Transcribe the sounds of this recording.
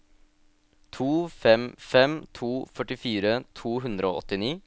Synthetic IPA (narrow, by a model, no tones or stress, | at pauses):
t̪ʰuːfɛmfɛmt̪ʰuːfœʈɪfiːɾət̪ʰuːɦʉnd̪ɾəo̰ːɔt̪ːɪniː